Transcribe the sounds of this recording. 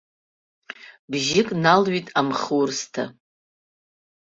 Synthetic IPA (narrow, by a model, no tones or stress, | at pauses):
bʒɪkʼnalɥitʼamχurstʰa